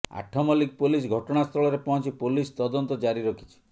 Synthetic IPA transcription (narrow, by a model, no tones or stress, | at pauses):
a̰ʈʰɔmɔlikpulis̬ɡʱɔʈɔɽ̃ast̪ʰɔɭɔɾepɔɦɔ̃nt͡ʃipulist̪ɔd̪ɔnt̪ɔd͡ʒaɾiɾɔkʰi̥t͡ʃʰi̥